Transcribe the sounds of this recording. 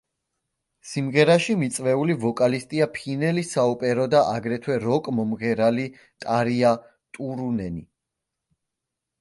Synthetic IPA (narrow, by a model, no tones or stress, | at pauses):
simʁɛɾaʃimit̪sʼvɛulivɔkʼalist̪ʼiapʰinɛlisaupʼɛɾɔd̪aʔaɡɾɛt̪ʰwɛɾɔkʼmɔmʁɛɾali | t̪ʼaɾia | t̪ʼuɾunɛni